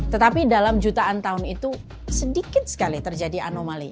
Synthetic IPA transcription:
t̪ət̪apidalamd͡ʒut̪aant̪aʊnit̪u | sədikɪt̪̚sə̥kalit̪ərd͡ʒadia̰nomali

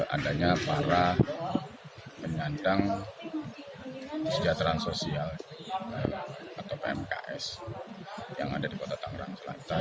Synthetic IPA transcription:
a̰daɲapaɾa | pəɲandaŋ | səd͡ʒat̪ɾaansosialəat̪awpeɛ̰mka̰ʔɛs | ja̰ŋa̰dadikot̪at̪aŋɾa̰ŋsəla̰t̪a

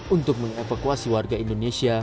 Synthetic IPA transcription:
unt̪ʊk̚məŋefakuasiwarɡaindonesia

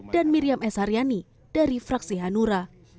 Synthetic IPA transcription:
d̥anmiɾiamʔɛsaɾijani | d̥aɾifɾaksiɦanuɾa

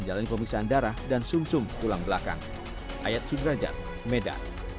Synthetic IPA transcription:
ɲd͡ʒalanipəmiksaːndaɾahdansumsʊmt̪ulaŋbəlaka̰ŋ | ʔajat̪̚sudɾad͡ʒa̰r | meda̰r

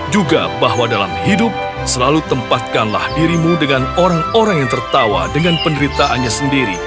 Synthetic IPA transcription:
d͡ʒuɡa̰baɦwadala̰mhidʊp̚ | səlalut̪əmpat̪̚kanla̰hdiɾimudəŋanoɾaŋoɾaŋjaŋt̪ərt̪awa̰dəŋanpəndəɾit̪aʔanɲasəndiɾi

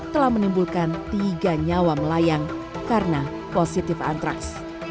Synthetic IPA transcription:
t̪əlahmənimbulkant̪iɡaɲawaməlajaŋ | kaɾəna | posit̪ɪfa̰nt̪ɾa̰ks

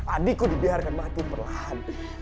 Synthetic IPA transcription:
adikudibiɦaɾkanmat̪ipərlahan

